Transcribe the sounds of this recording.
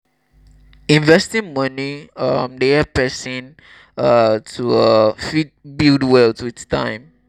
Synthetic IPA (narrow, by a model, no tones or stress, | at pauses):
ĩnvɛstĩnmʌniʌmdeapɛsĩn | ʌtʰuʌfit̚bildwɛltuitstʰã̰ɪ̃m